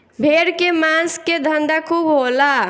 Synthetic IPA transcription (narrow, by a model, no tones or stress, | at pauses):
bʱeɽkemasked̪ʱənd̪akʰubɦola